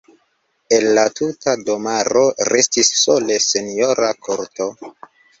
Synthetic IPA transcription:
e̞nlatutadomaɾo̞ɾe̞stisːo̞le̞senijo̞ɾakoɾto

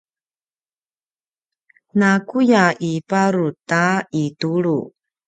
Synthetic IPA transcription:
nakujaʔipaɾutaituɭu

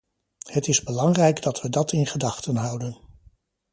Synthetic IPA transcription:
hətɪzbəlɑŋrɛjɡdɑtʋədɑtɪnχədɑχtənɦʌwdən

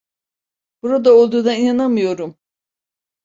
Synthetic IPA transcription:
b̥uɾad̪ao̞lˠd̪uːd̪ainanamɯjo̞ɾum

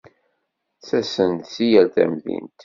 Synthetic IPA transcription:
t͡sæsənt̪sijælθæ̰mðḭnt̪

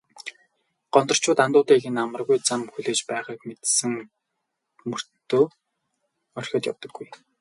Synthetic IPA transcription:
ɢ̥ɔnt̪ɞ̆r̥t͡ɕʰʊːt̪ant̪ʊːt̪iːɣĕnamə̆rɣujt͡samxuɮeːt͡ɕpæːʁiːkmet̪sɘ̆ŋ | mɵr̥t̪oː | œr̥ʲxʲɔ̆ːt̪ja̰wt̪ə̆ɡːuj

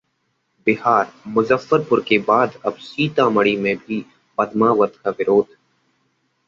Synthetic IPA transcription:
bɪɦaːɾmʊzəfːəɾpʊɾkebaːd̪ɐbsiːt̪ãːməɽimẽbʱi | pɐd̪maːʋət̪kaʋɪɾoːd̪ʱ

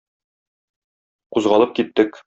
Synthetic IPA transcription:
quzʁɑlˠɤp̚kit̪ːɘk

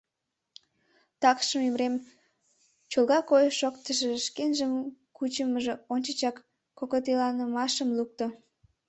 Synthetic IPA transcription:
t̪ɑkʃəmemɾem | t͡ɕolɣɑkojʃokt̪əʃĕʃkenʒəmkut͡ɕəməʒeonʲt͡ɕət͡ɕɑkː | okot̪elɑnəmɑʃəmluk̚t̪o

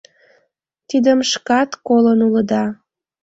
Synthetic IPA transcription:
t̪id̪əmʃkɑt̪kolənuləd̪ɑ

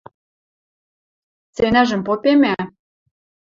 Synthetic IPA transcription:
t͡senæʒɘ̆mpopemæ

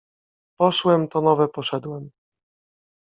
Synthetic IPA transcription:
pɔʂwɛmt̪ɔnɔvɛpɔʂɛd̪wɛm

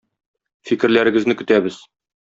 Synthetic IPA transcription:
fikɘ̆ɾlæɾɘ̆ɡɘ̆znɘkɵ̆t̪æbɘz

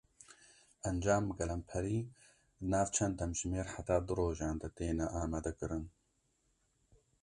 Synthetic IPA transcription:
ɐnd͡ʒaːmɡɛlɐmpʰɛɾiː | ɨnaːvt͡ʃʰɛnd̪ɛmʒmeːɾħat̪aːd̪ɨɾoːʒaːnd̪ɐt̪eːnɛʔaːmaːd̪ɛkɨɾɨn

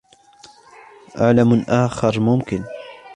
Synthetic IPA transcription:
ʔaʕlamʔaːxɑɾˤmʊmkɪn

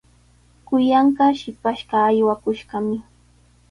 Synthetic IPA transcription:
kʊjɑɴɢɑʃɪpaʃɢɑːjwakʊʃɢɑmɪ

